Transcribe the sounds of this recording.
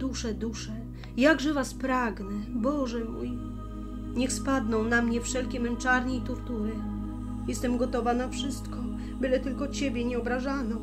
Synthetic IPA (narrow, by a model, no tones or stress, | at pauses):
d̪uʂɛd̪uʂɛ | jaɡʐɛvaspɾaɡnɛbɔʐɛmuj | ɲɛxspad̪nɔ̃w̃namɲɛfʂɛlkʲɛmɛmt͡ʂaɾɲɛit̪ɔɾt̪uɾɘ | jɛst̪ɛmɡɔt̪ɔvanafʂɘst̪kɔ | bɘlɛt̪ɘlkɔt͡ɕɛbʲjɛɲɛɔbɾaʐanɔ